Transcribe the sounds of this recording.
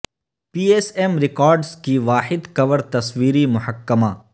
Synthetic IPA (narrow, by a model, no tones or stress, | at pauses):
piːeːsemɾɪkɔːɾɖzkiʋaːħɪd̪kɐʋəɾt̪ɐswiːɾimʊhəkːəmaː